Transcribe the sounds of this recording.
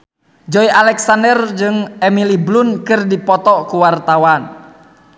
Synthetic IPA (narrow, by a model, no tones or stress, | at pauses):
d͡ʒɔiʔalɛksandərd͡ʒɨŋɛmiliblunkɨrdipɔt̪ɔkuwart̪awan